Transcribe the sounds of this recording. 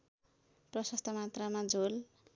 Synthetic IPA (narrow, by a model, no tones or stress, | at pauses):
prʌsʌst̪ʰʌmat̪ramad͡zol